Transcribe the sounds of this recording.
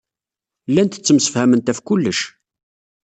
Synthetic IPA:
lːænt̪ə̥t͡sːəmsə̥fhæmənt̪æfkʊlːəʃ

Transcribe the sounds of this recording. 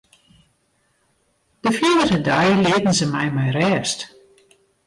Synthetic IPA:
d̥əfjiədərədajlɪətn̩zəmɛjmɛjrɛːst

